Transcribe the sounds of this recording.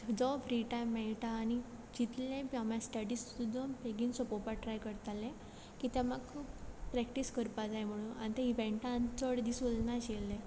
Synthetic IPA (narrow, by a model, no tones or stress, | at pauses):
d͡zɔfɾiʈajmːɛɭʈ̪aːñi | d͡ʑit̪lẽpamjasʈəɽist̪ud̪ʱompeɡiːnsɔpɔpaʈɾajkəɾt̪alːẽ | kit̪ɛ̃maɡkʰuːppɾɛkʈiskəɾpad͡zajm̤əɽ̃ũna̰nit̪eiʋẽɳʈant͡səɽd̪isulnaɕelːẽ